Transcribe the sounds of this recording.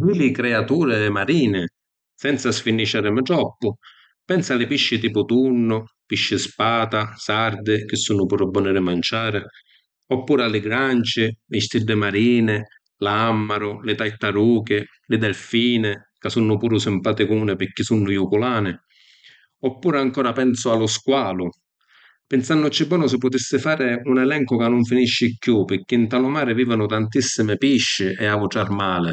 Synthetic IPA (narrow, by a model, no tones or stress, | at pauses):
kilɪkɾɛat̪uːɾɪɛmaɾiːnɪ | sɛnt̪sasfinːit͡ʃːaːɾɪmɪʈɾɔpːʊ | pɛnsalɪpiʃːɪt̪iːpʊt̪unːʊpiʃːɪspaːt̪asaɾd̪ɪk̟ɪsːunːʊpuːɾabːɔnɪɾɪmant͡ʃaːɾɪ | ɔpːuːɾalɪɡɾant͡ʃɪlɪst̪iɖːɪmaɾiːnɪ | lamːaɾʊlɪt̪ajt̪aɾuːkɪ | lɪd̪ɛlfiːnɪ | kasunːʊpuːɾʊsɪmpaːt̪ɪkʊuːnɪpɪkːisunːʊjukʊlaːnɪ | ɔpːuːɾɪaŋkɔːɾapɛnsʊalːʊskwaːlʊ | pɪnsanːʊt͡ʃːɛbwɔːnʊsɪpːʊt̪isːɪfaːɾɪunɛlɛŋkʊkanːʊɱfiniʃːɪkːjupɪk̟ːɪnt̪alʊmaːɾɪviːvanʊt̪ant̪isːɪmɪpiʃːɪʔɛavʊʈɽaɾmaːlɪ